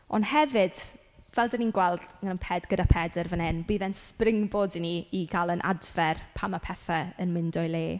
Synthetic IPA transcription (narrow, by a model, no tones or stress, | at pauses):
ɔ̰nhɛvɨd̥ | vɛlˠdəninɡwɛlˠdŋənənpʰɛdɡ̥ədapʰɛdərvənɛnbiːðɛnsprɪŋbɔːdiniiɡalˠənʔa̰dvɛrpʰamapʰɛθaənmɪndɔjlˠeː